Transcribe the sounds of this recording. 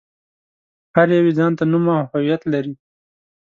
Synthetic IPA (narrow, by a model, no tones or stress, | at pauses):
haɾjawizɑnt̪anumahawijat̪laɾi